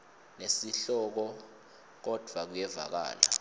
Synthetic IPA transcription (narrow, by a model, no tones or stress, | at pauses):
nesiɬɔk̬ɔ | k̬ɔd̥ʱwak̬ujɛva̰k̬a̰ːla